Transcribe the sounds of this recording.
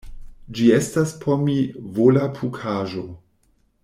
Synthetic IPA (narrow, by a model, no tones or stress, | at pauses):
d͡ʒiestaspʰomivolapʰukʰaːʒo